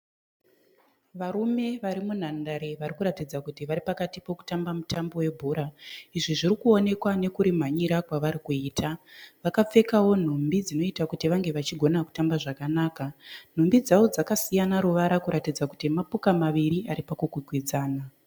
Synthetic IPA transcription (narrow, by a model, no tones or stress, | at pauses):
ʋaɾume̞ʋaɾimun̤andaɾeʋaɾikuɾatid͡zakutiʋaɾipakatipo̞ku̥tambamutambo̞we̞bʱuːɾaiʐiʐiɾikuo̞ne̞kwane̞kuɾim̤aɲiɾakwaʋaɾikuiːtʰaʋakap͡fe̞kawo̞n̤umbid͡zino̞itakutiʋaŋɡe̞ʋat͡ʃiɡʱo̞naku̥tambaʐakanaːkan̤umbid͡zaʋo̞d͡zakasijanaɾuʋaɾakuɾatid͡zaku̥timapukamaʋiɾiaɾipakuɡʱwiɡʱwid͡zaːna